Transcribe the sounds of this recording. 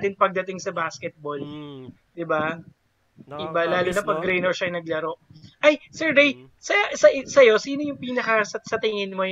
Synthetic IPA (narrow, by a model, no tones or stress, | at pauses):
t̪ɪnpɐɡ̚d̪ɐt̪ɪŋsɐbaːskɛt̪̚bol | d̪̥ɪba | ʔɪbalaːlonɐpɐɡɾejnɛɹʃɐŋnɐɡ̚lɐɾo̞ʔʔɐjsɛɹd̪ejsɐjasɐʔsɐjo̞siːno̞jʊŋpiːnɐkɐsɐsɐt̪ɪŋɪnmo̞